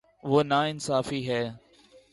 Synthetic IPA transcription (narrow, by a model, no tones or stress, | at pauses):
ʋoːnaːɪnsaːfiːɦɛː